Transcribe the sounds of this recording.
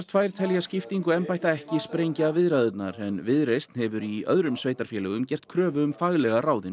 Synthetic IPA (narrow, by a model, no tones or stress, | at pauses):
t̪ʰfaːjɾ̥t̪ʰɛljascɪft̪iŋkʏɛmpajht̪aɛhcɪspɾejɲcavɪðɾaðʏt̪na̰ɾɛnvɪðɾejst̪nhɛvʏɾiœ̰ðɾʏmsveːjt̪aɾ̥fjɛlɛɣʏmcɛr̥t̪̚kʰɾœːvʏʏmfaɣlɛɣaraːwðɪn